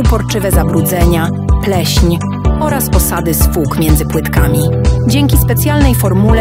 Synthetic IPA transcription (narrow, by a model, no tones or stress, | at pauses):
upɔɾt͡ʂɘvɛzabɾud̪zɛɲa | plɛɕɲ | ɔɾaspɔsad̪ɘsfukmʲjɛnd̪zɘpwɘt̪kamʲid͡ʑɛŋkʲispɛt̪sʲjalnɛjfɔɾmul